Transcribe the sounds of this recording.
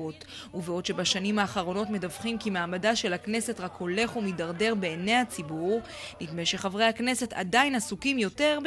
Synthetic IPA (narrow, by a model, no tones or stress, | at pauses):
ot | uveo̞dʃe̞baʃanimhaːχaʁo̞no̞tme̞davχimkimaːmadaʃe̞lakne̞se̞tʁako̞le̞χumidaʁde̞ʁbe̞ːne̞jhat͡sibuʁ | litmejʃe̞χavʁe̞hakne̞se̞ta̰dainasukimjo̞te̞ʁb